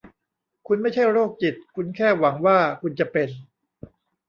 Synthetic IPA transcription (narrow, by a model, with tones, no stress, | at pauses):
kʰu˧nma˥˩jt͡ɕʰa˥˩jɾoː˥˩k̚t͡ɕi˨˩t̪̚kʰu˧nkʰɛː˥˩wa˩˦ŋwaː˥˩kʰu˧nt͡ɕa˨˩pe˧n